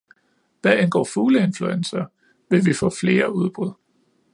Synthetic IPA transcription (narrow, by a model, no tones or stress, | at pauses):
ʋ̥æenɡ̥ɒ̰ːfuːləe̝nfluensɐ | ʋe̝ʋifɔ̰̽ːfle̝ːɐuð̞ˠb̥ʁuð̞̰ˠ